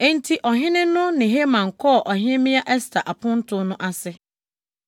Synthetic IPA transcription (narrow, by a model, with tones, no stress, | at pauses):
e˦˨n̩˦tʰi˦ʔɔ˨ɦɪ̃˦nɪ̃˦nʊ̃˦nɪ̃˨ɦe˦mã˨ŋ̩˨kʰɔ˦˨ʔɔ˨ɦɪ̃˦mĩ˦a˦ʔɛ˦stʰa˨ʔa˨pʰʊ̃˦n̩˦tʰʊ̃˦nʊ̃˦ʔa˦sɪ˦